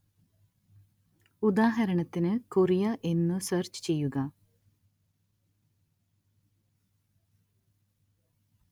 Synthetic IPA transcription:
ud̪aːɦɐɾɐɳɐt̪ːinɨkurijɐʔe̞nːɨseːrt͡ɕɨ̥t͡ɕe̞jːuɣɐ

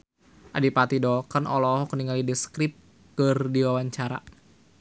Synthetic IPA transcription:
ʔadipat̪idɔkənɔlɔhɔkəniŋalidɛskɾɪp̚ | kɨrdiwawaɲt͡ʃaɾa̰

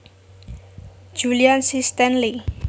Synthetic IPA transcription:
d͡ʒuliansist̪ɛnli

